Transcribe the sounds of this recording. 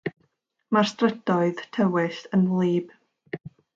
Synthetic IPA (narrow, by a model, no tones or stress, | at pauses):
marstrəd̥ɔɨðtʰɛwɪsənlˠiːb̥